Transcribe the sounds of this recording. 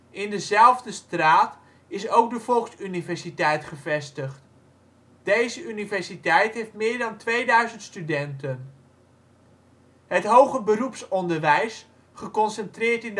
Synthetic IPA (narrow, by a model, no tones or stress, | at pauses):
ɪndəzɛlˠvdəstraːt | ɪsowk̚dəv̥ɔlˠksynivɛɹsitɛjtχəvɛstəχt | d̥ejzəʔynivɛɹsitɛjtɦejftmɪːɹdɑntʋejdœɥzəntstydɛntən | ɦətɦowχəbərupsɔndəɹʋɛjs | χəkɔnsɛntrɪːɹtɪnd